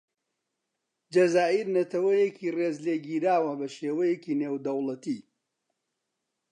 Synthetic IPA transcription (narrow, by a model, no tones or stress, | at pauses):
d͡ʒɐzaːʔiɾnɐt̪ʰɐwɐjekiːreːzleːɡiːɾaːwɐbɐʃeːwɐjekiːneːwd̪ɐwlɐt̪iː